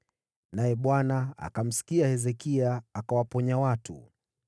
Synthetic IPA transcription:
najɛɓwanaa̰kam̩si̥kiahɛzɛkiaːkawapɔɲawatʰṵ

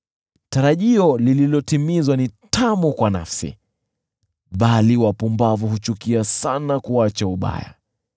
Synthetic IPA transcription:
taɾaʄiɔlililɔtimizwanitʰamukwana̰fsḭ | ɓaliwapumbavuɦut͡ʃukiasanakuat͡ʃauɓa̰ja̰

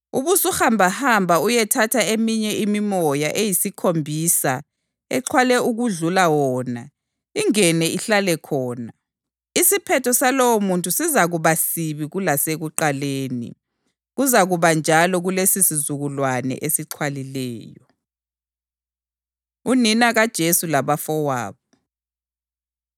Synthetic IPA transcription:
uβusuhambʱahambʱaujɛtʰatʰaemiɲɛʔimimɔjaʔejisikʰombʱisa̰ | ɛǃʰwalɛuɣuɮulawɔːna̰ | iŋɛnɛiɬalɛkʰɔːna | isipʰɛtʰɔsalɔwomuntʼusizaɣuβasiβiɣulaseɣuǃaleːnḭ | ɣuzaɣuβand͡ʒʱalɔɣulesisizuɣulwanɛ̰ʔesiǃʰwalilɛ̰ːjɔ | uninaɣad̥ʒ̥ʱesulaβafɔwa̰ːβɔ

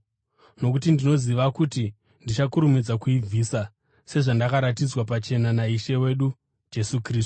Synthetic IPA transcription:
no̞kutindino̞ziʋakuti | ndit͡ʃakuɾumid͡zakuib͡vʱisa | se̞ʐandakaɾatid͡zwapat͡ʃe̞nanaiʃe̞we̞ɗu | d͡ʒe̞sukriːstu̥

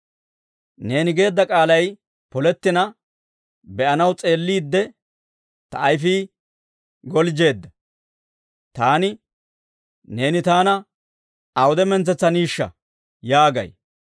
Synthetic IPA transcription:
ne̞ːnɪɡe̞ːd̪ːɐkʼaːlɐj | pɔlɛt̪ːɪnɐ | bɛʔɐnɐwt͡sʼe̞ːlːiːd̪ːɛ | t̪ɐʔːjfiː | ɡɔld͡ʒe̞ːd̪ːɐ | t̪aːnɪ | ne̞ːnɪt̪aːnɐ | ɐwʊd̪ɛmɛnt͡sɛt͡sːɐniːʃːɐ̰ | jaːɡɐ̰j

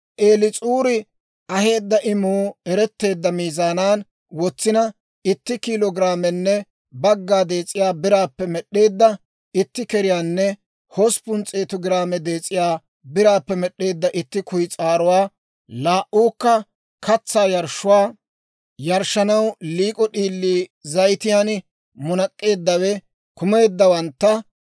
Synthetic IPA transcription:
ʔeːlɪt͡sʼuːɾɪ | ɐhe̞ːd̪ːɐʔɪmuːɛɾɛt̪ːe̞ːd̪ːɐmiːzaːnaːn | wɔt͡sːɪnɐ | ɪt̪ːɪkilɔɡɪɾaːmɛnːɛ | bɐɡːaːd̪e̞ːt͡sʼːɪjaːbɪɾaːpːɛmɛɗːe̞ːd̪ːɐ | ɪt̪ːɪkɛɾɪjaːnːɛ | hɔspʊnt͡sʼeːt̪ɔɡɪɾaːmɛd̪e̞ːt͡sʼːɪjaː | bɪɾaːpːɛmɛɗe̞ːd̪ːɐʔɪt̪ːɪkʊjt͡sʼaːɾʊwaː | laːʔuːkːɐ | kɐt͡sːaːjɐɾʃːʊwaː | jɐɾʃːɐnɐwliːkʼɔɗiːlːiːzɐjt̪ɪjaːn | mʊnɐkʼːe̞ːd̪ːɐwɛ | kʊme̞ːd̪ːɐwɐnt̪ːɐ

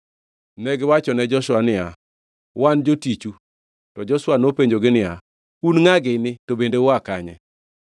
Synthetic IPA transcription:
nɛɡɪwat͡ʃɔnɛd͡ʒɔʃwanɪa | wand͡ʒotit͡ʃu | tɔd͡ʒɔʃwanopeɲd͡ʒoɡɪnɪa | unŋaɡɪnɪtobendewakaɲɛ̰

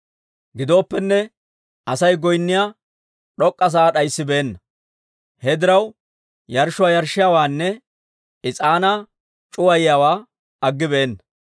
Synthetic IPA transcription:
ɡɪd̪o̞ːpːɛnːɛ | ʔɐsɐjɡɔjnːɪjaː | ɗɔkʼːɐs̬aːɗɐjsːɪbeːnːɐ | hɛd̪ɪɾɐw | jɐɾʃʊwajɐɾʃːɪjawaːnːɛ | ɪt͡sʼaːna | t͡ʃʼʊwɐjɪjawaː | ɐɡːɪbeːnːɐ

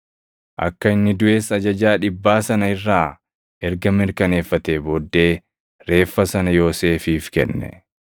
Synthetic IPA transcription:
ʔɐ̰kːɐɪnːɪd̪ʊʔe̞ːsɐd͡ʒɐd͡ʒaːᶑɪbːaːsɐnɐɪrːaː | ʔɛɾɡɐmɪɾkɐne̞ːfːɐt̪eːboːd̪ːe̞ː | ɾe̞ːfːɐsɐnɐjo̞ːse̞ːfiːfkɛ̰nːɛ̰

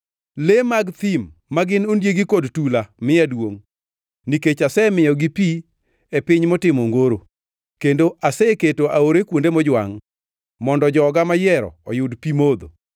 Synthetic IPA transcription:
lemaɡt̪imːaɡɪnondjeɡikodtulamɪadwoŋ | niket͡ʃasɛmɪjɔɡipi | epɪɲmɔtɪmoŋɡoɾo | kendoʔasɛketoʔaoɾekwondemɔd͡ʒwa̰ŋ | mɔndɔd͡ʒɔɡamajɛɾɔ̰ɔjʊdpimod̪o̰

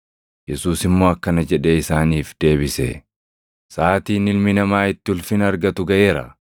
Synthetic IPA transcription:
jɛsuːsɪmːo̞ːɐkːɐnɐd͡ʒɛᶑeːɪsaːniːfd̪̥e̞ːbɪsɛ̰ | saːt̪iːnɪlmɪnɐmaːɪt̪ːɪʊlfɪnɐɾɡɐt̪ʊɡɐʔe̞ːɾɐ̰

